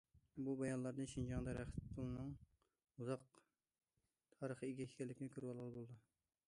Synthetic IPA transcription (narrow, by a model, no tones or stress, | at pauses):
bubɑjɑnlˠɑɾd̪ɨʃind͡ʒɑŋd̪ɛɾæχɪt̪̚pʰʊlˠɨnɨŋ | uzɑq̚ | t̪ʰɑːɾəχəiɡʲɛkʰʲi̥kʲʰɛlːɪkʲɪnɪkʲʰøɾpɑlˠɑlˠɨbolˠd̪ɨ